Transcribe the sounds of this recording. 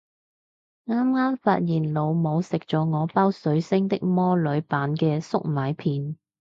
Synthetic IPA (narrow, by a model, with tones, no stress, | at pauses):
ŋaː˥mŋaː˥mfaː˧t̚jiː˨˩nlo˨˧wmo˨˧wsɪ˨k̚t͡sɔː˨˧˥ŋɔː˨˧paː˥wsɵ˨˥ɥsɪ˥ŋt̪ɪ˥k̚mɔː˥lɵ˨˧ɥpaː˨˧nkɛː˧sʊ˥k̚maː˨˧jpʰiː˨˧n